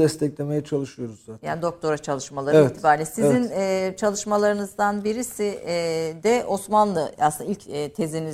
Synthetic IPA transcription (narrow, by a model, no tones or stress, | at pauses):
ɛst̪ʰɛcʲlʲemejɛt͡ʃʰalˠɯʃɯjo̞ɾuzaja̰ːnid̪o̞k̚t̪ʰo̞ɾat͡ʃʰalˠɯʃmalˠaɾeviɛt̪ːʰibaːɾlʲisizinɛt͡ʃʰalˠɯʃmalˠaɾɯnɯzd̪anbiɾisid̪ɛʔo̞smanlˠɯasɯnailʲcːt̪ʰe̞ziniz